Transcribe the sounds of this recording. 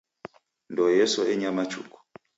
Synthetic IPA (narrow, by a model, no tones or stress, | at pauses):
ndɔjɛsɔʔɛɲamat͡ʃṵkɔ̥